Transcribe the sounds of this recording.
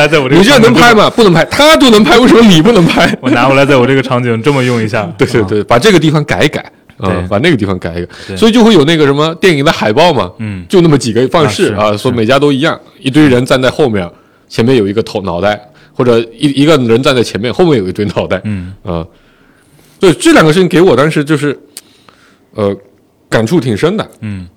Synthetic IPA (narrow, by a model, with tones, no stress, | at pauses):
a˧˥t͡sa˥˩ɪwɔ˨˧˥ni˨˩ʈ͡ʂɻɛ˥d̪ə˧˩n˧˥ŋpʰa˥ɪmɐ˨pu˥˩nɤ˧˥ŋpʰa˥ɪt̪ʰa˥t͡ɕjo˥˩ʊn˧˥ŋpʰa˥ɪwe˥˩ɪʂmə˧ni˨˩p̬u˥˩nɤ˧˥ŋpʰa˥ɪwɔ˧˩na˧˥xɔ˧˩la˧˥t͡sa˥˩ɪwɔ˨˩ʈ͡ʂɤ˥˩ɡə˩ʈ͡ʂʰɑ˧˥ŋt͡ɕi˧˥˧ʈ͡ʂɤ˥˩mə˩jʊ˥˩ŋi˧˥ɕja˥˩t̪we˥˧ɪt̪we˥˧t̪we˥˩pa˨˩ʈ͡ʂɤ˥˩ɡə˩t̪̬i˥˩fɑ˨˩ŋka˨˩˥ɪka̰˨˩˦ | ə˧pa˨˩na˥˩ɡə˩t̪i˥˩ɑ˧˩ŋka˨˩ɪ˥ka˨˩˦swɔ˧˥i˨˩t͡ɕjo˥˧xwe˥˩jo˨˩ʊn˥˩ɡə˩ʂə˧˥nmə˧t̪jɛ˥˩ni˨˩ŋd̪ə˧xa˨˩ɪpɑ˥ʊmɐ̰˨˩t͡ɕjo˥˧ʊna˥˩mə˩t͡ɕi˨˩ɡə˦˥fɑ˥˧ŋʂɻ̩˥˩ɐ˧swɔ˧˥˩me˨˩ɪt͡ɕja˥t̪̬o˥ʊi˧˥jɑ˥˩ŋ | i˧˥t̪we˥ɪɻə˧˥nt͡sa˥˧nt͡sa˥˧xo˥˧ʊmjɛ̰˥˧˩ | t͡ɕʰjɛ˧˥nmjɛ˥˩njo˨˩ʊi˧˥ɡə˧t̪ʰɑ˧˥nɑ˨˥ʊa˥˩ɪ | xwɔ˥˩ʈ͡ʂɤ˨˩i˧˥i˧˥ɡə˧ɻə˧˥nt͡sa˥˧nt͡sa˥˩ɪt͡ɕʰjɛ˧˥nmjnxo˥˧ʊmjnjo˨˩i˧˥t̪wɪnɑ˧˥ʊt̪a˥˩ɪə̰˧ | swɔ˥i˨˩ʈ͡ʂɤ˥˩ljŋɡə˦ʂɻ̩ʰ˥˩i˧ŋke˧˥ɪwɔ˨˩t̪ɑ˥ŋʂɻ̩˧˥t͡ɕjo˥˧ʊʂɻ̩˥˩ | ə˧ | ka˨˩nʈ͡ʂʰu˥˩t̪ʰi˨˩ŋʂə˥ŋd̪ə̰˨˩